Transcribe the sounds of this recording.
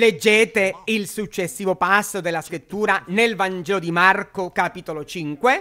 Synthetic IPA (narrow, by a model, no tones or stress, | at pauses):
led͡ʒːeːt̪eilsut͡ʃːesːiːvopasːod̪elːaskɾit̪ːuːɾanelvand͡ʒɛːlod̪imarkokapiːt̪olot͡ʃiŋkwe